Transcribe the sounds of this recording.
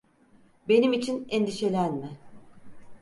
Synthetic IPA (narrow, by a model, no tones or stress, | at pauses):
be̞nimit͡ʃʰinend̪iʃe̞lʲænmɪ